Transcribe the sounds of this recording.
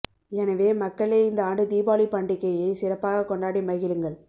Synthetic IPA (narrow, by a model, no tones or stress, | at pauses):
ɛnɐʋeːmɐkːɐɭeːɪnd̪ɐaːɳɖɯd̪iːbaːlipɐɳɖɪkːɐjɐɪsɪrɐpːaːɣɐkːɔɳɖaːɽimɐɣɪlɯŋɡɐɭ